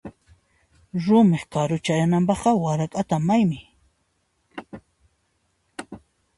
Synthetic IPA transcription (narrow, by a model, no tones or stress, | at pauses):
ɾʊmɪχkaɾʊt͡ʃajanampɑχqɑwaɾakʼat̪amːajmɪ